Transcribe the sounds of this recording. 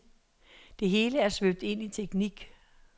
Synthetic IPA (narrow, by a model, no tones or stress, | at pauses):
d̥e̝ɦe̝ːləæɐsʋøb̥̚d̥e̝n̰it͡sʰeɡ̥niɡ̥